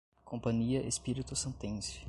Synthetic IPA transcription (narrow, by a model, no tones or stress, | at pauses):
kʰõpɐ̃ɲiɐʔespiɾit̪ʊsẽnt̪ẽsɪ̥